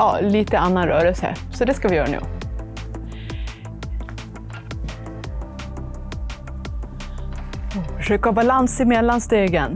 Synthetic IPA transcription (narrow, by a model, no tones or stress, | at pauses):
ɑ̰ːliːt̪əanːanɾœːɾəlsəə̰sɔd̪ɛskavɪjœːɾanʉ̰ː | ɔfœʂøːkhɑːbalansɪmɛd̪lːanst̪eːɡən